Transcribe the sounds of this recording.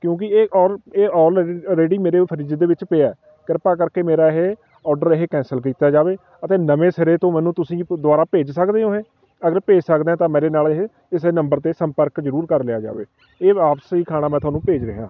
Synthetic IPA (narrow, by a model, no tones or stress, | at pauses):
kjõːk̬ɪeːʔɔːɾeːɔːlɾeːɖiːmeːɾeːpʰəɾiːd͡ʒd̪eːʋɪt͡ʃpeaːɛː | kəɾpaːkəɾkeːmeːɾaːɪɦeː | ɔːɖəɾɪɦeːkɛ̃ːnsəlk̬iːt̪aːd͡ʒaːʋeː | ət̪eːnəʋeːsɪɾeːt̪õːmɛ̃ːnũːt̪ʊsĩːd̪ʊaːɾaːpeːd͡ʒsəkd̪eːoːɦeː | əɡəɾpeːd͡ʒsəkd̪ɛ̃ːt̪ãːmẽːɾeːnaːlɪɦe | ɪsnəmbəɾt̪eːsəmpəɾkzəɾuːɾkəɾlɪaːd͡ʒa̰ːʋḛː | eːʋaːpsiːkʰaːɽ̃aːmɛ̃ːt̪ʊwaːnũːpeːd͡ʒɾə̰ɦɪjã̰ː